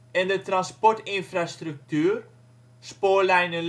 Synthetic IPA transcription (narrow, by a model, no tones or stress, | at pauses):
ɛndətranspɔrtɪnfrastryk̚tyːr | spoːlɛjnəl